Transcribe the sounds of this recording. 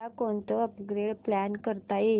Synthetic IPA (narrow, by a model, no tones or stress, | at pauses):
akoɳt̪oəpɡɾeɽplænkəɾt̪aje